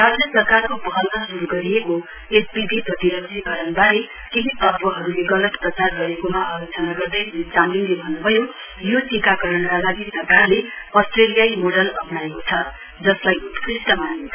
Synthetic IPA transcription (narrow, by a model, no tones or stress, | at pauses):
rasʈjʌsʌrkarkobʌɦʌlnʌsuɾuɡʌɾieko | espibʱiprʌt̪iɾʌɡd͡zikʌɾʌnbaɾe | kiɦit̪ʌrpʌɦʌɾuleɡʌlʌt̪prʌt͡sarɡʌɾekomaʔajot͡sʌnaɡʌrd̪ʌjt͡samlinlebʱʌnːubʱʌjo | joʈikakʌɾʌnkalaɡisʌrkarleʌsʈrelijajmoɽʌlʌpnaekot͡sʰʌ | d͡zʌslajut̪kʰrisʈʌmai